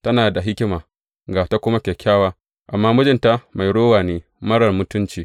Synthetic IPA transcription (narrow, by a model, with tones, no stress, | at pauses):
tɐ˦naː˨da˨ɦɪ˦kʲɪ˦maː˨ | ɡaː˨ta˦kʷʊ˦ma˦kʲɛ˨kʲʰːaː˦waː˦ | ʔa˨mːaː˦mʊ˦d͡ʒɪ˦nta˦ma˨jɽoː˦waː˨neː˦ | mɐ˦ɽɐ˨rmʊ˦tʊ˦nt͡ʃiː˨